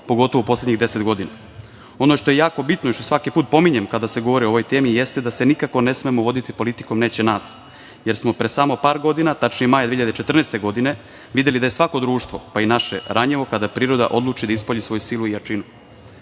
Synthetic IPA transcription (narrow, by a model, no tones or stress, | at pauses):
po̞ɡo̞t̪o̞ʋoupo̞slʲedɲiɣd̪e̞se̞t̪ɡo̞d̪ina | o̞no̞ʃt̪o̞je̞jaːko̞bit̪noiʃt̪o̞sʋakipuːt̪̚po̞miɲemkad̪ase̞ɡoʋo̞ɾioʋo̞jt̪e̞ːmijest̪ed̪ase̞nikako̞ne̞smemoʋo̞d̪it̪ipo̞lit̪i̥ko̞mne̞ːt͡ɕe̞naːs | je̞ɾsmo̞pɾesamo̞paːɾɡo̞d̪inat̪at͡ʃnijemajd̪ʋeçijʎad̪t͡ʃet̪r̩nest̪e̞ɡo̞d̪ine̞ | ʋid̪elid̪aje̞sʋako̞d̪ɾuːʃt̪vʋo̞painaʃḛɾaɲeʋo̞kad̪apɾiːɾo̞d̪a̰ʔo̞d̪lˠuːt͡ʃid̪aispoʎisʋo̞jusiluijat͡ʂinu